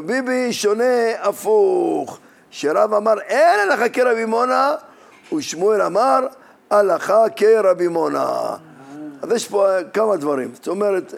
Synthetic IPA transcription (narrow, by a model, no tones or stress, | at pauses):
bibiʃoneafuχ | ʃeɾavamaʁenalaχakeɾabimona | uʃmuelamaɾ | alaχakeɾabimona̰ | azjeʃpokamad̪vaɾḭmst̪omeɾet̪